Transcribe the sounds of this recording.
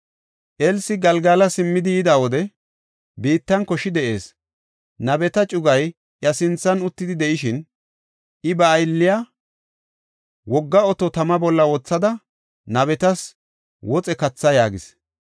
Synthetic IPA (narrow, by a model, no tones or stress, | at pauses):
ʔɛlsɪɡɐlɡaːlɐsɪmːɪd̪ɪjɪd̪aːwɔd̪ɛ | biːt̪ːɐnkɔʃɪd̪ɛʔe̞ːs | nɐbɛt̪ɐt͡ʃʼʊɡɐj | ʔjɐsɪnt͡sːɐnʊt̪ːɪd̪ɪd̪ɛʔɪʃɪn | ʔɪbɐːjlːɪja | wɔɡːɐɔt̪ɔt̪ɐmɐbɔlːɐɔːt͡sːɐd̪ɐ | nɐβɛt̪ɐs | wɔt͡sʼɛkɐt͡sːɐjaːɡɪs